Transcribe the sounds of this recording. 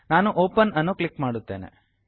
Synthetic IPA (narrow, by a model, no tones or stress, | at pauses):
naːnuʔoːpɐnɐnːoklikmaːɽut̪ːeːnḛ